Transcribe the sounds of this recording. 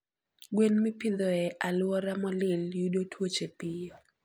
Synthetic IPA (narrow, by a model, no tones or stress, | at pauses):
ɡwenmipɪd̪ɔɛʔalwɔɾamɔlɪljudotwot͡ʃepijɔ